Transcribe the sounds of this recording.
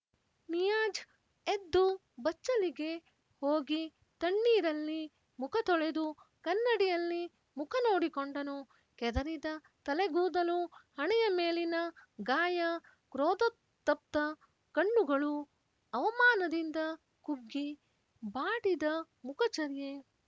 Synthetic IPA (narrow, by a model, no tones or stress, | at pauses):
nijaːd͡ʒ | ed̪ːu | bɐt͡ʃːɐliɡe̞ | hoːɡi | t̪ɐɳːiːɾɐlːi | mukʰɐt̪ɔɭe̞d̪ukɐnːɐɽijɐlːi | mukʰɐno̞ːɽikoɳɖɐnu | kɛd̪ɐɾid̪ɐ | t̪ɐleɡuːd̪ɐluhɐɳɛjɐme̞ːlinɐɡaːjɐ | kɾoːd̪ɐt̪ːɐp̚t̪ɐ | kɐɳːuɡɐɭu | ɐʋɐmaːnɐd̪ind̪ɐ | kuɡːi | baːɽid̪ɐ | mukɐt͡ʃɐɾje